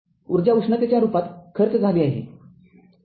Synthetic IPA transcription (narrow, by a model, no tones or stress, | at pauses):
uɾd͡ʑjaʋukʂɳət̪jat͡ɕjaɾupat̪kʰəɾt͡sd͡zʱaliːaɦḛ